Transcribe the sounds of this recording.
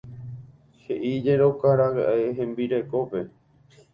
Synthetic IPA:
heʔid͡ʒeɾokaɾaɣa̰ʔeɦẽ̞mbiɾe̞ko̞pe̞

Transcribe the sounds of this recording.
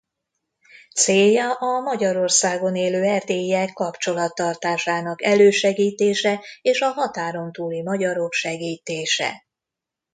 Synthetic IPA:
t̪seːjːɒʔɒmɒɟɒɾo̞rsaːɡo̞neːløːɛrd̪eːiɛkːɒpt͡ʃo̞lɒt̪ːɒrt̪aːʃaːnɒkɛløːʃɛɡiːt̪eːʃɛeːʃɒɦɒt̪aːɾo̞nt̪uːlimɒɟɒɾo̞kʃɛɡiːt̪eːʃɛ̰

